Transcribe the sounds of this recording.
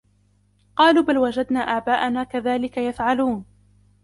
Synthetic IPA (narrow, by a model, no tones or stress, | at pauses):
qɑːluːbalwad͡ʒad̪naːʔaːbaːʔanaːkaðaːlɪkajafʕaluːn